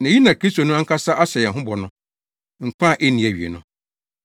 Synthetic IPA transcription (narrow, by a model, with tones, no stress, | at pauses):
nã˨˦i˦nã˨kʰɾi˦sto˨nʊ̃˦a˦ŋ̩˦kʰa˦sa˦ʔa˦ɕɛ˨jɛ̃˨ɦʊ̃˦bɔ˨nʊ̃˦ | ŋ̩˨kʷʰã˦˨ʔe˦nĩ˨æ˨ɥḭ˨ḛ˨nʊ̃˦